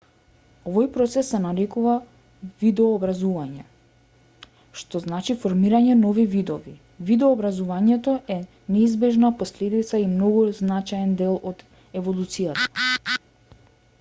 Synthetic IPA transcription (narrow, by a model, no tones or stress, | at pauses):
ovɔjpɾɔt̪sɛsːɛnaɾɛkuva | vid̪ɛoːbɾazuvaɲɛ | ʃt̪ɔznat͡ʃifoɾmiɾaɲɛnɔvivid̪ɔvi | vid̪ɛoːbɾazuvaɲɛt̪ɔʔɛ | nɛizbɛʒnaposlɛd̪it̪saimnɔɡuznat͡ʃajɛnd̪ɛlˠod̪ | ɛvolˠut̪sijat̪ḁ